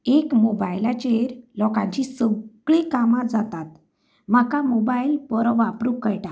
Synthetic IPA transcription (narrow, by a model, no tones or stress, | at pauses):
ekmobajlat͡ɕeɾlɔkã̰ɲt͡ɕisəɡɭikamat̪d͡zat̪at̪ | m̤akamobajilpəɾɔʋapɾukːəjʈa